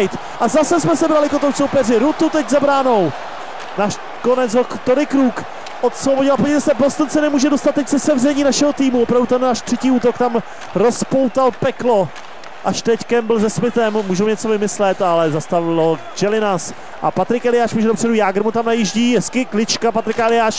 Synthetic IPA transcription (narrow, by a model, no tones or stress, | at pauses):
jt̪ | ʔazasɛsmɛsɛbɾalɪkot̪owsowpɛrɪɾut̪ut̪ɛczabɾaːno̞w | naːʃ | konɛd͡zɦokt̪oɾɪkɾuːk | ʔot̪sloboɟɪlpoɲɛt̪ɛst̪ɛpost̪ont͡sɛnɛmuːʒɛdo̞st̪at̪̚ːɛcsɛsɛvrɛɲiːnaʃɛɦot̪iːmuvopɾavdut̪ɛnnaːʃt̪r̥ɛciːuːt̪o̞kt̪am | ɾo̞spo̞wt̪alpɛklo̞ | ʔaʃt̪ɛckɛmbɪlzɛsmɪt̪ɛmːuːʒɛmɛɲɛt͡so̞vɪmɪslɛt̪ʔalɛzast̪avɪlo | d͡ʒɛlɪnas | ʔa̰pat̪ɾɪkɛlɪjaːʃmuːʒɛdopr̥ɛdujaːɡɾɪmut̪amnajiʒɟiːjɛskɪklɪt͡ʃkapat̪ɾɪkɛlɪjaːʃ